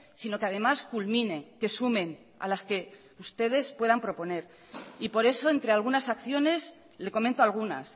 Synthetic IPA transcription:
sino̞keað̞e̞maskulmĩne̞ke̞sumẽ̞n | a̰laske̞ | ust̪e̞ð̞e̞spwe̞ð̞ampɾo̞po̞ne̞ɾ | ipo̞ɾe̞so̞e̞nt̪ɾe̞alɣ̞unasakθjo̞ne̞s | le̞ko̞mẽnt̪oalɣ̞una̰s

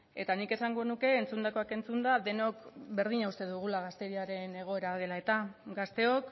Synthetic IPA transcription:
e̞̰t̪anike̞saŋɡonuke̞ːnt͡sund̪ako̞ake̞nt͡sund̪aðe̞no̞kbe̞ɾðiɲaust̪e̞ðuɣ̞ulaɣast̪e̞ɾiaɾe̞ne̞ɣ̞o̞e̞ɾað̞e̞lae̞t̪aɡast̪e̞o̞k

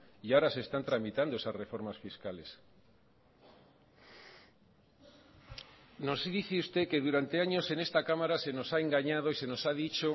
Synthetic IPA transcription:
iaoɾasest̪ant̪ɾamit̪and̪oesazrefoɾmasfiskales | nosðiθeust̪ekeðuɾant̪eaɲosenest̪akamaɾasenosaeŋɡaɲað̞oisenosað̞it͡ʃo

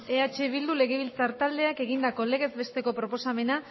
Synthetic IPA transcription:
eat͡ʃe̞β̞ild̪ule̞ɣe̞βilt͡saɾt̪ald̪e̞akeɣ̞ind̪ako̞le̞ɣe̞zbe̞st̪e̞ko̞pɾo̞po̞same̞na

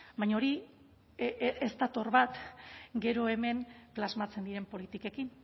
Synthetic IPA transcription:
bajɲaoɾi | ʔest̪at̪o̞rβat̪ɡe̞ɾo̞e̞me̞ŋplazmat͡se̞nd̪iɾe̞mpo̞lit̪ike̞kin

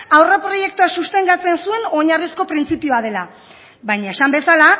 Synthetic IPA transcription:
awrapɾo̞je̞k̚t̪uasust̪e̞ŋɡat͡se̞nsue̞no̞ɲarisko̞pɾint͡sipioað̞e̞la | βajɲae̞sambe̞sala

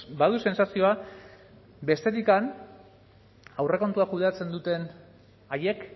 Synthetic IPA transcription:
baðuse̞nsasio̞a | be̞st̪e̞t̪ikan | awre̞ko̞nt̪uakuð̞e̞at͡se̞nd̪ut̪e̞n | aje̞k

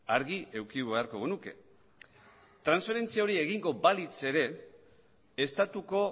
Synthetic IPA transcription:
aɾɣiʔe̞wkiuβe̞aɾko̞ɣonuke̞̰ | t̪ɾansfe̞ɾe̞nt͡siaoɾie̞ɣiŋɡo̞balit͡se̞ɾe̞ | st̪at̪uko̞

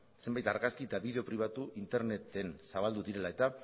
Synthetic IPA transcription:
se̞mbajt̪aɾɣaskiet̪aβiðe̞o̞pɾiβ̞at̪uʔint̪e̞ɾne̞t̪e̞nsaβald̪uðiɾe̞lae̞t̪a

